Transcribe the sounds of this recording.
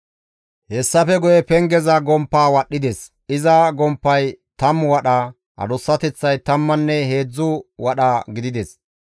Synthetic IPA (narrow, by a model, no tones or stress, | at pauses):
hɛsːɐfɛɡʊjɛpɛŋɡɛzɐɡɔmpːaːwɐɗːɪd̪ɛs | ʔɪzɐɡɔmpːɐjt̪ɐmwɐɗa | ʔɐ̰d̪ɔsːɐt̪ɛt͡sːɐjt̪ɐmːɐnːɛɦe̞ːd͡zːʊwɐɗɐɡɪd̪ɪd̪ɛs